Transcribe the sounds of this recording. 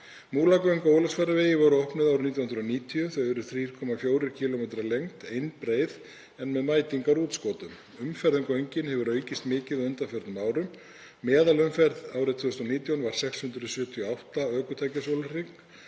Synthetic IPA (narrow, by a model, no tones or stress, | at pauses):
muːlakvœɥjŋkoːwlɔsfɛɾaveːjɪvɔwɾʏɔhpnɪðawɾʏmnit̪janhnɾʏɔniːt̪ʰiʏθœvʏɾʏ̥θɾiːɾ̥kʰɔmafjoːwɾɪɾ̥cʰiːlomejt̪ɾalejŋt̪ejnpɾeːjð | ɛnmɛðmaːjt̪iŋkaɾuːt̪skɔːt̪ʏm | ʏmfɛɾðʏmkœɥjɲcɪnhɛvʏɾœːɥcɪst̪mɪːcɪðʏnt̪afœɾt̪nʏmaːwɾʏmː | ɛːðalʏmfɛɾðaːwɾɪt̪ʰːœst̪ɔniːt̪jɔnvaɾ̥sɛkshʏnt̪ɾʏsjœːt̪ʰiɔawht̪aœːkʏt̪ʰajcasowlʏriŋk